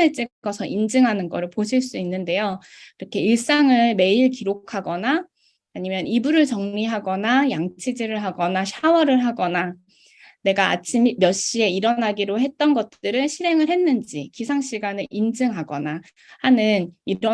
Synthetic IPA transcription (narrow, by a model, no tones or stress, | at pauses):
eɭt͡ɕ͈ekɡʌsʰʌʔind͡ʑɯŋɦanɯnɡʌɾɯɭpoɕʰiɭs͈uinːɯnde̞joiɾʌkʰe̞iɭs͈aŋɯɭme̞iɭkiɾokʰaɡʌnaː | ɲimjʌnibuɾɯɭt͡ɕʌŋɲiɦaɡʌnajaŋt͡ɕʰid͡ʑiɾɯɭɦaɡʌnaɕʰawʌɾɯɭɦaɡʌna | ne̞ɡaa̰t͡ɕʰimmjʌɕ͈ie̞iɾʌnaɡiɾoɦe̞t̚t͈ʌnɡʌt̚t͈ɯɾɯnɕʰiɾe̞ŋɯɭhe̞nːɯnd͡ʑikisʰaŋɕ͈iɡanɯʔind͡ʑɯŋɦaɡʌna | hanɯniɾʌ